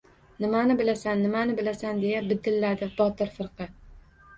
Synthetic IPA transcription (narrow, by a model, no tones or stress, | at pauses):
nɪmanɪbɪlasanːɪmanɪbɪlasand̪e̞jabɪd̪ɪlːad̪ɪbɒt̪ɪɾfɨɾqɨ